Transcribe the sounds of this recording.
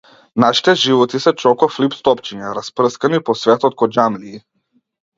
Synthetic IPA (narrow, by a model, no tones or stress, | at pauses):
naʃi̥t̪ɛʒivɔt̪isɛt͡ʃɔkɔflipst̪ɔpt͡ʃiɲaɾasprɤskanipɔsvɛt̪ɔt̪̚kɔd͡ʒamliː